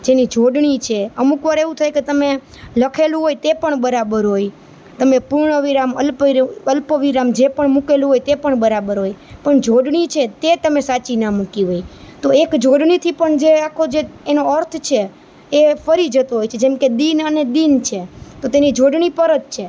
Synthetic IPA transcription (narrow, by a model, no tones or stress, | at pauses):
d͡ʒenid͡ʒʱoɖɳit͡ʃʰeəmukʋaɾeʋũt̪ʰajket̪əme | ləkʰelũɦojt̪epəɳbəɾabəɾɦoj | t̪əmepuɾɳəʋiɾaməlpəlpəʋiɾamd͡ʒepəɳmukelũɦojt̪epəɳbəɾabəɾɦojpəɳd͡ʒʱoɖɳit͡ʃʰet̪et̪əmesat͡ʃinəmukiɦojt̪oekd͡ʒʱoɖɳit̪ʰipəɳd͡ʒeakʰod͡ʒeːnoəɾt̪ʰt͡ʃʰe | efəɾid͡ʒət̪oɦojt͡ʃʰed͡ʒemked̪inəned̪int͡ʃʰet̪ot̪enid͡ʒʱoɖɳipəɾət̪̚t͡ʃʰe